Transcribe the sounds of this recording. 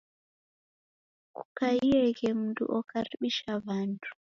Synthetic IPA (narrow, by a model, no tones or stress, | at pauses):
kukaiɛɣɛmundṵʔɔkʰaɾiɓiʃaβantʰu̥